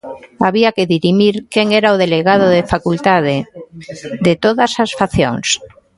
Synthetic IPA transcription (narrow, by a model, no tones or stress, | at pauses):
aβiakeðiɾimiɾkeŋeɾaoðeleɣað̞oðefakult̪að̞e | d̪et̪oðasasfaθjo̰ŋs